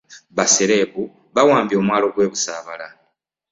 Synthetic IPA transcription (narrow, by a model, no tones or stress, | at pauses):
βaseɾe̞ːβu | βawaːmbio̞ːmwaːlo̞ɡwe̞ːβusaːβala